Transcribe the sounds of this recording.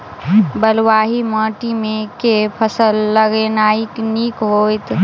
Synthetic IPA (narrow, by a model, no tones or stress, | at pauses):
bəlwaːɦiməːʈimẽkepʰəsəlːəɡenaːikniːkɦoːjt̪